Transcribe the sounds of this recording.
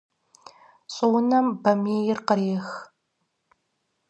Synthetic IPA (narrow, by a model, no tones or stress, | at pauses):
ɕʼɨwʊnɐmbɐmeːjɪrqəɾeːx